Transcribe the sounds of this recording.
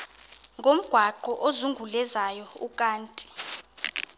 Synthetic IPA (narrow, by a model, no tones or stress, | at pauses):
ŋɡʱom̩ɡ̥ʱwaǃɔʔozuŋɡʱulɛzajɔukʼaːntʼi̥